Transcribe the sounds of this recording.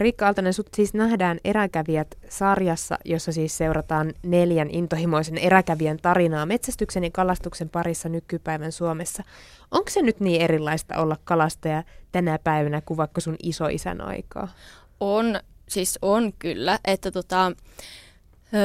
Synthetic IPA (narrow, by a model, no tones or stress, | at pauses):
rikːɑɑlt̪ɑnensut̪siːsnæɦdæːne̞ɾækæʋiæt̪sɑrjɑsːɑ̰jo̞sːɑsiːsse̞uɾɑt̪ɑːnne̞ljænʔint̪ohimo̞isene̞ɾækæʋiænt̪ɑɾinɑːme̞t̪sæst̪ykse̞nikɑlɑst̪ukse̞mpɑɾisːɑnykypæiʋænsuomesːɑ | ʔoŋksenyt̪niːeɾilːɑist̪ɑ̰ʔo̞lːɑkːɑlɑst̪ɑjɑt̪ænæpæiʋænækuʋʋɑkːosunisoʔḭsæ̰nɑ̰ikɑ̰ː | onsiːsonkylːæʔet̪ːæt̪ot̪ɑ